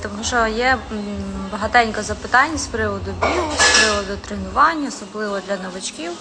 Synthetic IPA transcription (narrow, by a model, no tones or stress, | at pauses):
t̪ɔmuʒɔjɛ | bɐɦɐt̪ɛnʲkɐzɐpɪt̪ɑnʲːɐspɾɪʋɔd̪ʊbʲilˠʊspɾɪʋɔd̪ʊt̪ɾenʊʋɑnʲːɐɔsɔblˠɪʋɔd̪lʲɐnɐʋɪt͡ʃkʲiw